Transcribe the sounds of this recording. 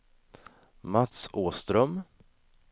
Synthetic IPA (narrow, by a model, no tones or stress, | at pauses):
mat̪suːst̪ɾœm